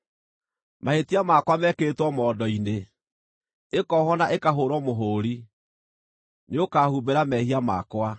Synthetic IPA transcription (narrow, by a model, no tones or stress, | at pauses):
maetiamakwamɛkeːtwɔmɔːdɔine | ekɔːhɔnaʔekaɦoɾɔmoɦoːɾi | neokaːhubeɾamɛhiama̰kwa